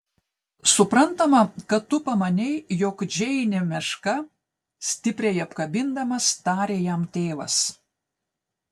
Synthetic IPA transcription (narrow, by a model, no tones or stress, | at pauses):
sʊpɾɐnˑt̪ɐmɐkɐt̪ːʊpɐmɐnʲɛɪjoːkd͡ʒʲɛɪnʲɛmʲɛʃkɐ | sʲt̪ʲɪpʲɾʲɛɪɐpkɐbʲɪnd̪ɐmɐst̪ɑːɾʲeːjæmt̪ʲeːʋɐ̰s